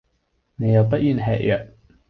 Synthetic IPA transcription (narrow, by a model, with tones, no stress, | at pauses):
ne˨˧jɐ˨˧wp̬ɐ˥t̚jy˧˨nɦɛ̰ː˨ʔ̚jʔœː˨˩k̚